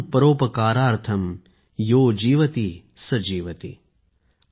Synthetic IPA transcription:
pɐɾoːpɐkaːɾaːɾt̪ʰɐm | joːd͡ʒiːʋɐt̪i | sɐd͡ʒiːʋɐt̪ḭ

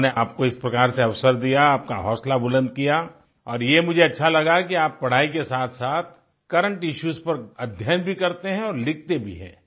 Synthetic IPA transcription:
neaːp̚koɪspɾɐkaːɾseɐʋsəɾd̪ijaaːp̚kaɦɔːslabʊlə̃nd̪̚kija | ɔːɾjemʊd͡ʒʱeɐtːʃʰalɐɡakiaːpːɐɽ̤aːikesaːt̪ʰsaːt̪̚ʰ | kɐɾə̃ɳʈɪʃuːzpɐɾɐd̪ʱjənbʱikɐɾt̪eɦɛ̃ɔːɾlɪk̚ʰt̪ebʱḭɦɛ̰̃ː

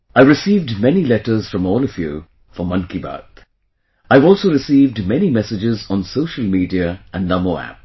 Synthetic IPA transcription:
aɪɹɨsiːvdmɛnilɛtə˞z̥fɹʌ̃mɔːlˠʌvju | fəmʌ̃nkibə̰t̪ | aɪvɔːlˠsoʊɾɨsiːvdmɛnimɛsɪd͡ʒɪzn̩soʊʃəl̩ˠmiːdiəə̃nnʌmoæ̰p̚

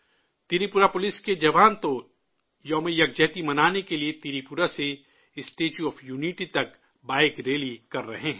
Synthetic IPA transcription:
t̪iɾipuɾapʊlɪsked͡ʒɐʋaːnt̪o | jɔːmejɐk̚d͡ʒɛɦt̪imɐnaːnekeliet̪iɾipuɾase | ɪsʈeːt͡ʃuɔːfjuːniʈit̪ɐk | baːɪkɾeːlikɐɾːɐɦeɦɛ̃ː

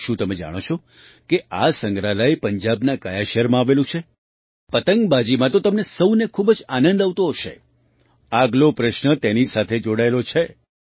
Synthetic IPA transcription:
ʃũt̪əmed͡ʒa̰ɽ̃ot͡ʃʰo | keʔasəŋɡɾaləepəɲd͡ʒabnakajaʃəɾmãaʋelũt͡ʃʰe | pət̪əŋɡbad͡ʒimãt̪ot̪əmnesəwnekʰubd͡ʒanə̃nd̪aʋt̪oɦoʃḛ | aɡlopɾəʃnət̪enisat̪ʰed͡ʒoɽaelot͡ʃʰe

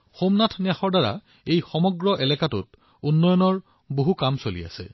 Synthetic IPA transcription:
xomnatʰniaxɔɹdaɹa̰ | ejxɔmɔɡɹɔʔɛlɛkatṵt | unːɔjɔnɔɹ | boɦukamsolḭa̰sɛ̰

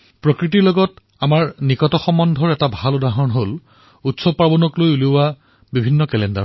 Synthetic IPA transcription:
pɹɔkɹit̬iɹlɔɡɔt | amaɹnikɔtɔxɔmɔndʱɔɹɛtabʱaludaɦɔnɦol | utsɔpabɔnɔklojulia | bibʱinːɔkɛlɛnda̰ɹ

